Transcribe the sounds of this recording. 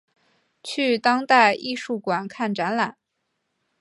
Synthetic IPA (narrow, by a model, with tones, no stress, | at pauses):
t͡ɕʰy˥˩t̪ɑ˥ŋt̪a˥˧ɪʔi˥˧ʂu˥˩kwa˨˩nkʰa˥˩nʈ͡ʂa˧˥nla˨˩˦n